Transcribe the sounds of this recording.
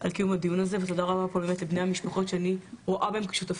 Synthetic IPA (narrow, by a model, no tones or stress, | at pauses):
ʔa̰lkijumad̪ijunazevet̪od̪aʁabapolbemet̪lebnejhamiʃpaχo̞tʃeaniʁoʔabaemki̥ʃut̪af